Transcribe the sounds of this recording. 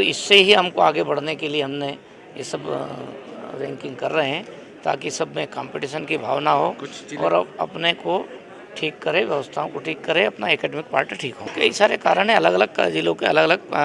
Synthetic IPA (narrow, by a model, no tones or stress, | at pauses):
ɪsːeɦiɦɐmkoaːɡebɐɽ̤nekelieɦɐmne | jesɐb | ɾɛ̃ːŋkɪ̃ŋɡ̚kɐɾːɐɦeɦɛ̃ | t̪a̰ːkisɐbʱmẽkãːmpɪʈiːʃənkibʱa̰ːʋnaɦoːɔ̰ːɾɐ̰pneko | ʈʰiːkːɐɾeʋjɐʋəst̪ʰaõkoʈʰiːkːɐɾeɐpnaekɛːɖɛmɪkpaːɾʈiʈʰiːkɦo̰ːkɐɦisaːɾekaːɾəɽ̃ɦẽɐləɡɐləɡ̚kd͡ʒɪlõkeɐləɡɐləɡ